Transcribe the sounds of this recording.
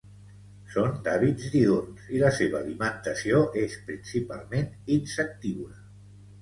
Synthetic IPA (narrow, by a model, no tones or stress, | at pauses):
sond̪aβid͡zd̪ionsiləseβəːlimənt̪əsioʔespɾinsipa̰lˠmeninsək̚t̪iwlə